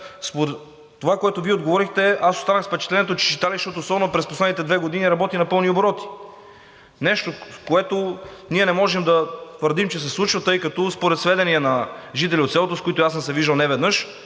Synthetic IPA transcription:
spoɾɛː | ovakoɛt̪oviɛod̪ɡovɔɾixt̪ɛʔasost̪anəxspɛt͡ʃɛt̪lɛnɛt̪ot͡ʃɛ̥t͡ʃit̪alizʃt̪ɔt̪oːsɔbɛnopɾɛsposlɛd̪nit̪ɛd̪vɛɡod̪iniɾɐbɔt̪inɐpɤlˠnioboɾɔt̪i̥ | nɛʃt̪okoɛt̪oniɛnɛmɔʒɛmd̪ɐt̪vəɾd̪imt͡ʃɛs̬ɛslˠut͡ʃvɐt̪ɤjkɐt̪ɔspoɾɛt̪svɛd̪ɛniɛnɐʒit̪̬ɛlʲiot̪sɛlˠot̪oskoit̪ojasəmsɛviʒd̪əlˠnɛvɛd̪nɤʃ

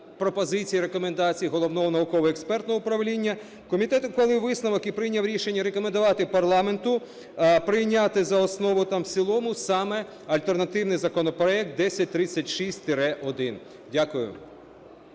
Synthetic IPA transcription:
pɾɔpɔzɪt͡sʲijiɾekɔme̞nd̪ɑt͡sʲijiɦɔlˠɔʋnɔɦɔnɐʊkɔʋɔekspɛrt̪nɔɦɔʊpɾɐʋlʲinʲːɐ | kɔmʲit̪ɛt̪ʊkɔlˠɪʋɪsnɐʋɔkipɾɪjnʲɐwɾʲiʃenʲːɐɾekɔmend̪ʊʋɑt̪ɪpɐrlˠɑme̞nt̪ʊ | pɾɪjnʲat̪ɪzɐɔsnɔʋʊt̪ɑmsʲilˠɔmʊsɑmɛ | ɐlʲt̪ernɐt̪ɪwnɪjzɐkɔnɔpɾɔɛk̚t̪̚d̪ɛsʲɐt̚ʲt̪ɾɪt͡sʲːɐtʲʃisʲtʲt̪ɪɾɛʔɔd̪ɪn | dʲakʊjʊ̰

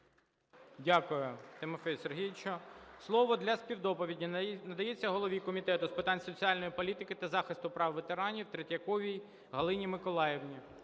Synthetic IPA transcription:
dʲakʊjʊt̪ɪmɔfɛjserɦʲijt͡ʃɔslˠɔʋɔd̪lʲɐspʲiwd̪ɔpɔʋʲidʲinɐd̪ɐjet͡sʲːɐɦɔlˠɔʋʲikɔmʲit̪ɛt̪ʊspɪt̪ɑnʲsɔt͡sʲiɑlʲnɔjipɔlʲit̪ɪkɪt̪ɐzɑxɪst̪ʊpɾɑwʋet̪eɾɑnʲiwt̪ɾetʲɐkɔʋʲij | ɦɐlˠɪnʲimɪkɔlˠɑjewnʲi

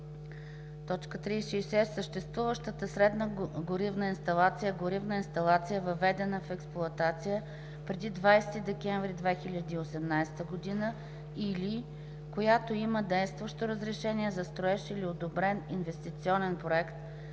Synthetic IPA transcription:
t̪ɔt͡ʃkət̪ɾisʃiːsɛsəʃt̪ɛst̪vuvəʃt̪ət̪əsɾɛd̪nəɡoɾivnəinst̪ɐlˠat̪sijəɡoɾivnəinst̪ɐlˠat̪sijəvəvɛd̪ɛnəfɛksplˠʊɐt̪at̪sijə | pɾɛd̪id̪vajst̪id̪ɛkʲɛɱvɾid̪vɛxilʲəd̪iːosɛmnajsɛ̥t̪əɡod̪inə | ili | kojat̪oiməd̪ɛjst̪vəʃt̪oɾəzɾɛʃɛniɛzɐst̪ɾoɛʃɛiliod̪obɾɛninvɛst̪it̪siɔnɛnpɾoɛkt̪

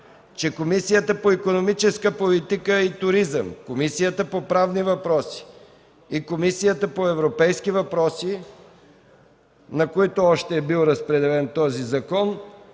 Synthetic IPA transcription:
t͡ʃɛkomisijət̪əpoikonomit͡ʃɛskəpolit̪ikəit̪ʊɾizə̰mkomisijət̪əpopɾavnivɐpɾɔsi̥ | ikomisijət̪əpoɛvɾopɛjskivɐpɾɔsi | nɐkoit̪oɔʃt̪ɛːbilˠɾəspɾɛd̪ɛlɛnt̪ɔzizɐkɔn

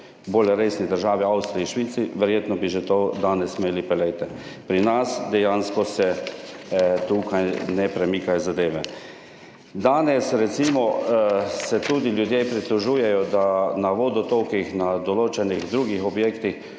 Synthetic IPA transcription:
boːlɾeːsnid̪əɾʒaːʋiawst̪ɾiiʃʋiːt̪siʋɛɾjeːt̪nɔbiʒɛt̪od̪aːnɛsmeːlipɛlɛjt̪ɛ | pɾinasd̪ɛjanskɔsɛ | t̪ukajnɛpɾɛmiːkajɔzad̪eːʋɛ | d̪aːnɛsɾɛt̪simɔ | sɛt̪uːd̪iljud̪jepɾit̪luʒuːjɛjɔd̪anaʋoːd̪ɔt̪owkixnad̪ɔloːt͡ʃɛniɣd̪ɾuːɡixɔbjeːkt̪ix

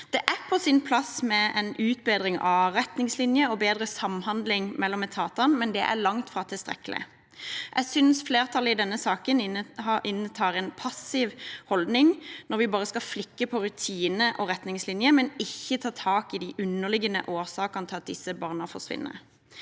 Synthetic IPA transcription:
d̪̥ɛʔæpʰɔsɪnpʰlɑsmɛɛnʉːt̪̚beːd̪ʁɪŋɑ̰ʁɛt̪nɪŋslɪnjəɔbeːd̪ʁəsɑmːhɑnd̪lɪŋmɛlːɔmɛt̪ʰɑːt̪ɑnmɛnd̪ɛ̰ʔæ̰ʁlɑŋt̪fʁɑːt̪ʰɪlst̪ɾɛ̰kːəlɪ̰ | ʔæɡsʏnsfleːʁt̪ʰɑlɪd̪ɛnːəsɑːkənɑʔɪnːət̪ʰɑːʁɛnpʰɑsɪʋhɔld̪nɪŋnɔɾʋɪbɑːʁəskɑflɪkːəpʰɔɾʉt̪ʰiːnəʔɔʁɛt̪nɪŋslɪnjəmɛnɪçːət̪ʰɑːt̪ʰɑːkɪd̪ɪʔʉnːəʁlɪɡənə̰ʔoːʁsɑːkɑnt̪ʰɪlɑt̪̚d̪ɪsːəbɑʁnəfɔʁsʋɪ̰nːə̰

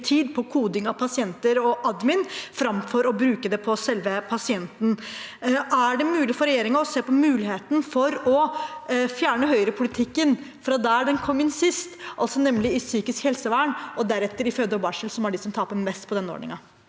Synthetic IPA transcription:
t̪ʰiːd̪pʰɔkʰuːd̪ɪŋɑʋpʰɑsɪɛnt̪əɾɔʔɑd̪mɪnfɾɑmfɔɾɔbɾʉːkəd̪ɛpʰɔsɛlʋəpʰɑsɪɛnt̪n̩ | æɖɛmʉːlɪfɔɾɛjeːɾɪŋɑɔseːpɔmʉːlɪheːt̪n̩fɔɾɔ | fjæːɳəɦœʏəɾəpʰʊlɪt̪ʰɪkːən | fɔɾɑd̪æːɖɛnkʰɔmːɪnsɪst̪ʔɑlsɔnɛmːlɪɪsyːkɪskhɛlsəʋæːɳɔd̪æɾɛt̪ːəɾɪføːd̪ɔbɑːʂəlsɔmæɖɪsɔmt̪ʰɑːpəɾmɛst̪pʰɔd̪ɛnːəo̰ːɳɪ̰ŋɑ

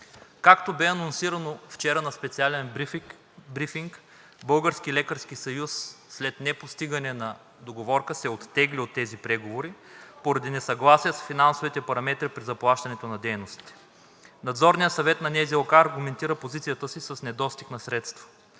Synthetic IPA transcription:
kakt̪obɛɐnonsiɾɐnoft͡ʃɛɾənɐspɛt̪sialɛn | bɾifiŋk | bɤlˠɡəɾskilɛkəɾsk̟isɐjusːlɛt̪nɛpost̪iɡənɛnɐ | d̪oɡovɔɾkəsɛot̪ːɛɡliot̪ːɛzipɾɛɡovoɾipoɾɐd̪inɛsɐɡlˠasijəsfinansovit̪ɛpɐɾɐmɛt̪ɾipɾizɐplˠaʃt̪ɐnɛt̪onɐd̪ɛjnost̪i̥t̪ɛ̥ | nɐd̪zɔɾnijəsɐvɛt̪nɐnɛzilˠkaːɾɡumɛnt̪iɾəpozit̪sijət̪əsisɐsnɛd̪ɔst̪ixnɐsɾɛt̪st̪vɐ̥

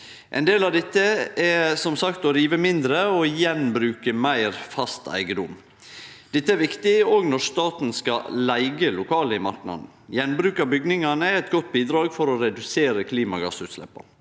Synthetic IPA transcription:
ʔɛ̰nd̪eːlɑd̪ɛt̪ːəɛsɔmsɑkt̪ɔɾiːʋəmɪnd̪ɾəojɛnbɾʉːkəmæɪɾfɑst̪æ̰ɪɡəd̪ʊm | d̪̥ɛt̪ːəæɾʋɪkt̪ɪoːɡnɔʂt̪ɑːt̪n̩skɑ̰læɪɡəlʊkʰɑːləɪmɑɾknɑ̰d̪n̩jɛnːbɾʉːkɑbʏɡnɪŋɑnəɛɛt̪ɡɔt̪ːbiːd̪ɾɑːɡfɔɾɔɾɛd̪ʉseːɾəkʰliːmɑɡɑ̰sʉːt̪slɛ̰pːɑ̰

